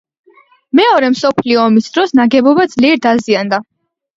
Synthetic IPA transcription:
mɛɔɾɛmsɔpʰliɔːmisd̪ɾɔsnaɡɛbɔbad̪z̥liɛɾd̪aziand̪a

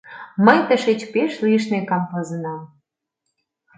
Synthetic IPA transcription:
məjt̪əʃet͡ɕpeʃliʃ̬nekɑmpɤ̆zə̆nɑm

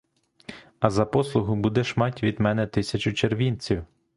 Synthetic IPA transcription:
ɐzɐpɔslˠʊɦʊbud̪ɛʃmɑtʲʋʲid̪mɛnɛt̪ɪsʲɐt͡ʃʊt͡ʃerʋʲinʲt͡sʲiw

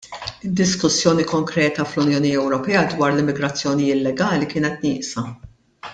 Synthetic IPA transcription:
ɪd̪ːɪskʊsːjɔːnikɔŋkɾɛːt̪ɐflʊnjɔːniɛwɾɔpɛːɐd̪wɐːɾlɪmːɪɡɾɐt͡sːjɔːnɪjɪːt̪lɛɡɐːlikɪːnɛt̪nɪːʔsɐ

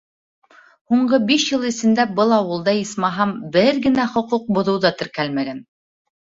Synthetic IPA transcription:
huɴɢɤbiʃjɤlˠɘ̆sɘ̆nd̪æbɤlˠɑwɤ̆lˠd̪ɑismɑɦɑmbɘɾɡɘ̆næχŏquq̚bŏðɤ̆wðɑt̪ɘ̆ɾkælmæɡæn

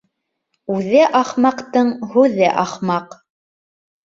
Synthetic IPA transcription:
ʉðɘʔɑχmɑqt̪ɤɴhʉðɘʔɑχmɑq

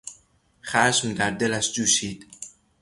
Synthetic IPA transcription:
χæʃmd̪æɾd̪elæʃd͡ʒuːʃiːd̪̥

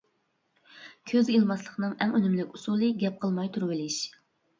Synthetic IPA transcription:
kʲʰøzʲilˠmɑslˠəχnɨŋɛŋønymlɪkʲusulˠɨɡʲɛp̚qʰəlˠmɑjt̪ʰuɾwɪlɪʃ

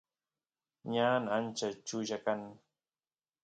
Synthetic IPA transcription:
ɲanant͡ʃat͡ʃuʒakan

